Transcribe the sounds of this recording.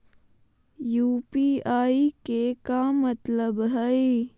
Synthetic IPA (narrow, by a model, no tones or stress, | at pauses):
juːpiːaːikekamət̪ləbɦəi